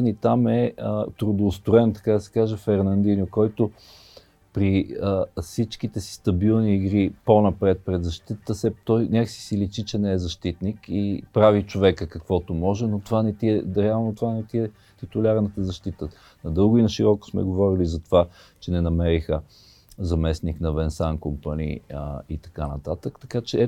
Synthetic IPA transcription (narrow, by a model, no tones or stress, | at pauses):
nit̪amɛət̪ɾʊd̪oːst̪ʊɛnt̪ɐ̥kad̪ɐsɛ̥kaʒɛfɛɾnɐnd̪injʊkɔjt̪o | pɾiəfsit͡ʃk̟it̪ɛsi̥st̪ɐbilˠniːɡɾiponɐpɾɛt̪̚pɾɛd̪zɐʃt̪it̪ət̪əsɛt̪ɔjnʲakəsi̥silit͡ʃit͡ʃɛnɛɛzɐʃt̪it̪nikipɾavit͡ʃovɛkəkəkvɔt̪omɔʒɛnot̪ovanɛt̪iɛɾɛalˠnot̪ovanɛt̪iɛ | t̪it̪ʊlʲaɾnət̪əzɐʃt̪it̪ə | nɐd̪ɤlˠɡʊinəʃiɾɔko̥smɛ̰ɡovɔɾilizɐt̪ova | t͡ʃɛnɛnɐmɛɾixə | zɐmɛsniknɐvɛnsankompanḭit̪ɐ̥kanɐt̪at̪əkt̪ɐ̥kat͡ʃɛɛ